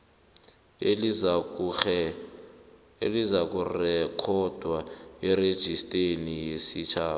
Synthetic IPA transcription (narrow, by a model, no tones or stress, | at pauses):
elizak̬ʼurɛkʰɔd̥ʱwaɛɾed̥ʒ̥ʱistʼenijesit͡ʃʰaː